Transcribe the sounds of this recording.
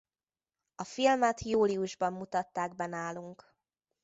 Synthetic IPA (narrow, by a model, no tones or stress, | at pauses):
ɒfilmɛt̪ʰjuːliuʒbɒmːut̪ɒt̪ːaːɡbɛnaːluŋk